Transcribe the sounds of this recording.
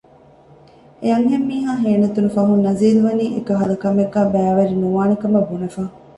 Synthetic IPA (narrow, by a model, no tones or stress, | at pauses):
eɐŋɦemːiːɦaːɦeːnɐt̪unufɐɦunːɐziːluʋɐniːʔekɐɦɐlɐkːɐmeɡːæːbæːʋɐɾinuʋaːnɐkɐmɐbunɐfaː